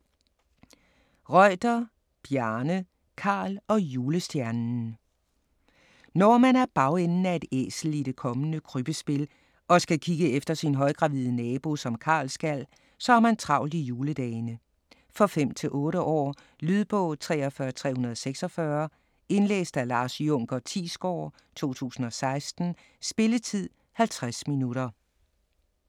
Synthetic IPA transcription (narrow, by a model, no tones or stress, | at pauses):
ʁɒɪ̰d̥ɐ | b̥jæɐnə | kʰɑ̈ːlɒ̽juːləsd̥jæɐnn̩ | nɒmænæɐb̥ɑ̈ʊenn̩æe̝d̥ḛːsl̩id̥e̝kʰɒ̽mənəkʰʁyb̥əsb̥e̝l | ɒ̽sɡ̥ækʰiɡ̥əefd̥ɐsinɦɒ̽ɪɡ̥ʁɑ̈ʋiðˠənɛːb̥o̝sɒ̽mkʰɑ̰̈ːlsɡ̥æl̰ | sɒ̽æɐmænt͡sʰʁɑ̈ʊ̰lijuːləd̥ɛːnə | fɒ̽fem̰t͡sʰe̝lʔɔ̽ːɾəʔɒ̰ː | lyðˠb̥ɔ̽t͡sʰʁɛ̰ːɒfɶɐt͡sʰʁɛ̰ːhunɐðˠɒ̽seɡ̥sɒ̽fɶɐ | e̝nlḛːsd̥ælɑ̈ːsjɔ̽ŋ̰ɡ̥ɐt͡sʰḭːsɡ̥ɒ̰ː | t͡sʰo̝̰ːt͡sʰṵːsn̩ɒ̽sɑ̈ɪsd̥n̩ | sb̥e̝lət͡sʰið̰ˠ | hælt͡sʰʁasminuɾɐ